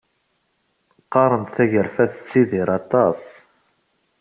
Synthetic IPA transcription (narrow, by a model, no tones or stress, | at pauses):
qːɑɾˤənt̪θæʝəɾfæθə̥t͡sːiðiɾˤɑt̪ˤɑsˤ